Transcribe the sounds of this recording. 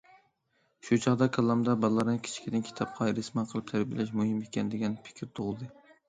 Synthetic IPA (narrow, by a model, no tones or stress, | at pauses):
ʃut͡ʃʰɑʁd̪ɑkʰɑlˠːɑmd̪ɑbɑllˠːɑɾnɨkʲʰɪ̥t͡ʃʰkʲʰid̪ɪnkʲʰi̥t̪ʰɑp̚qʰɑɾɪsmɑqʰəlˠɨp̚t̪ʰæɾbilɛʃ̬muɦɪmekʲʰɛnd̪eɡʲɛnpʰɪ̥kʲʰɪɾt̪ʰoʁʊlˠd̪ɨ